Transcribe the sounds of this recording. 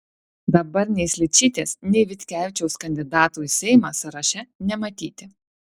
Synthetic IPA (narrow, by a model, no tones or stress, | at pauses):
d̪ɐbɐɾnʲɛɪsʲlʲɪt͡ʃʲiːt̪ʲeːsnʲɛɪʋʲɪt̪ʲkʲæːʋʲɪt͡ʃʲɛʊskɐnʲd̪ʲɪd̪ɑːt̪uːsʲɛɪmɑsɐɾɐʃʲɛnʲɛmɐt̪ʲiːt̪ʲɪ